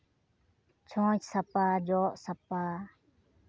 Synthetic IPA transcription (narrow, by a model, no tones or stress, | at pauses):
t͡ʃʰõːt͡ʃsɐpaːd͡ʒoːʔsɐpaː